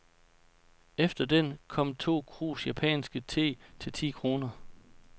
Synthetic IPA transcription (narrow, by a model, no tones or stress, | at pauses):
efd̥ɐd̥enkʰɒ̽m̰t͡sʰo̝̰ːkʰʁṵːsjæpʰɛ̰ːnsɡ̥ət͡sʰe̝̰ːt͡sʰe̝lt͡sʰḭːkʰʁo̝ːnɐ